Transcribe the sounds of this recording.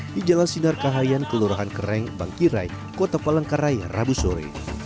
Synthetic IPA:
did͡ʒalasinarkaɦajankəluɾaɦankəɾɛŋba̰ŋkiɾa̰j | kot̪apalaŋkaɾajra̰busɔɾḭ

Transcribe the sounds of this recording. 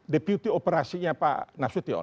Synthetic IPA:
depjut̪iopəɾasiɲapa̰nafsut̪iɔ̰

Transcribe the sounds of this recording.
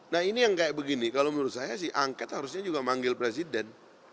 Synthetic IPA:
nahinijaŋkajaʔbəɡinikalomənuɾʊt̪̚sajasɪhʔaŋkɛt̪haɾusɲad͡ʒuɡamaŋɡɪlpɾes̬idɛn

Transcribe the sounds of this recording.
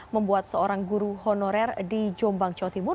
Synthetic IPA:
məmbuat̪̚səoɾaŋɡuɾuɦɔnoɾɛrdid͡ʒɔmbaŋt͡ʃawt̪imʊr

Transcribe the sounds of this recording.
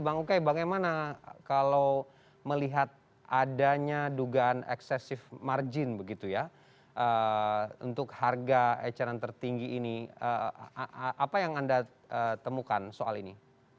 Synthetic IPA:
baŋukajbaɡajmanakalaw | məliɦat̪̚ | ʔadaɲaduɡaʔːnɛ̰ksɛsɪfmard͡ʒɪnbəɡit̪uja | ʔə | ṵnt̪ʊkharɡaat͡ʃaɾant̪ərt̪iŋɡiːniə | ʔapajaŋanda | ət̪əmukansoa̰lini

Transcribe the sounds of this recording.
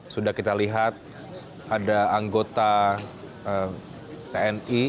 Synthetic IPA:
sudahkit̪aliɦat̪̚ | adaːŋɡot̪a | ə | t̪eɛni

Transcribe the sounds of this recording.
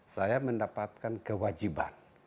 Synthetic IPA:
sajaməndapat̪̚kankəwad͡ʒiba̰n

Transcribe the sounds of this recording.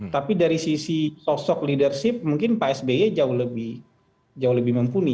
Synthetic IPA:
t̪apidaɾisisisosɔk̚lidərʃɪp̚muŋkɪnpaɛsbejad͡ʒaʊhləbɪh | d͡ʒaʊhləbɪhməmpuni

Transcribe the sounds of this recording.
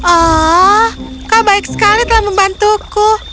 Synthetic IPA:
ʔɔ | kabaɪk̚sə̥kalit̪əlahməmbant̪ukʊ

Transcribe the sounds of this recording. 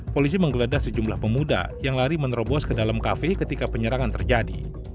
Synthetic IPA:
polis̬iməŋɡəladasəd͡ʒumlahpəmuda̰jaŋlaɾimənɾobɔskədalamkafekət̪ikapəɲəɾaŋant̪ərd͡ʒadḭ

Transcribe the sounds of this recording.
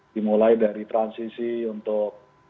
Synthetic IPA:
d̥imulaidaɾit̪ɾansisiunt̪ʊk̚

